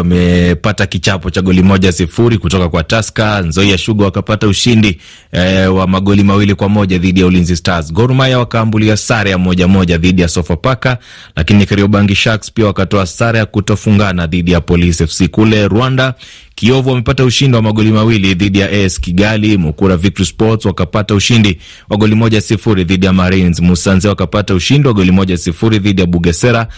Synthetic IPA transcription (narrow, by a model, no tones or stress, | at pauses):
mɛpatakit͡ʃapɔt͡ʃaɠɔlimɔʄaasifuɾikutɔkakwataskanzɔijaʃuɠɔwakapatauʃindi | wamaɠɔlimawilikwamɔʄaðiɗijaulinzistazɡɔɾumajawakaːmbuliasaɾajamɔʄamɔʄaðiɗijasɔfapaka | lakinikaɾiɔɓaŋɡiʃakspiawakatɔasaɾajakutɔfuŋɡanaðiɗijapɔlisɛfsikulɛɾwanda | kiɔvuwamɛpatauʃindiwamaɠɔlimawiliðiɗijaʔɛɛskiɠalimukuɾavik̚tispɔtswakapatauʃindi | waɠɔlimɔʄaasifuɾiðiɗijamaɾinzmusanziawakapatauʃindiwaɠɔlimɔʄajasifuɾiðiɗijaɓuɠɛsɛɾa